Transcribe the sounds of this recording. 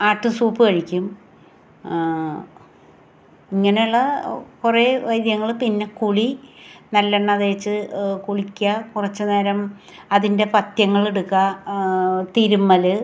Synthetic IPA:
aːʈːumsuːpːɨkɐɻikʲːum | iŋːɐneuɭːɐkureʋɐjd̪jɐŋːɐɭpinːe̞kuɭinɐlːeɳːɐðeːt͡ɕːɨkuɭikʲːɐkurɐt͡ɕːɨneɾɐm | ɐðinde̞pɐt̪jɐŋːɐɭeɽukːɐ | t̪iɾumːɐlɨ

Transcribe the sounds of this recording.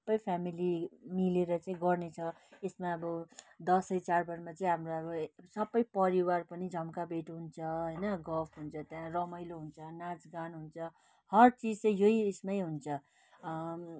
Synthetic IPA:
ʌbʌjpʰamilimileɾʌt͡saĩɡʌrnet͡sʰʌ | esmaːbʌd̪ʌsʌjt͡sarbʱʌɾmat͡saĩɦamroʌbʌsʌbʌjpʌɾiwarpʌnid͡zʱʌmkabeʈɦunt͡sʰʌɦʌjnʌɡʌpʰɦunt͡sʰʌt̪jãrʌmʌjloɦunt͡sʰʌnat͡sɡanɦunt͡sʰʌ | hʌrt͡sid͡zt͡sʌj̃joiesmʌjɦunt͡sʰʌ

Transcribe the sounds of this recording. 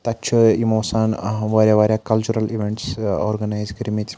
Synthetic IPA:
t̪at͡ʃʰəimosanʋaɾʲjaʋaɾjakɐlt͡ʃuɾɐliʋeɳʈsɔ̰ɾɡənajzɡiɾmit͡s

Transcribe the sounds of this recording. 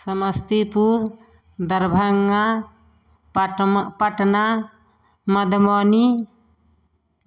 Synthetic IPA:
səməst̪ipuɾ | d̪ɐɾbʱəŋa | pəʈna | mɐd̪mɔni

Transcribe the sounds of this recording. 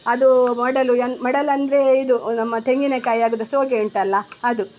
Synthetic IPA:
ɐd̪umɐɽɐluɐnmɐɽɐlɐnd̪ɐɾe̞id̪unɐmːɐt̪eŋɡinekaːjaːɡud̪ɐsoːɡeɳʈɐlːɐɐd̪u

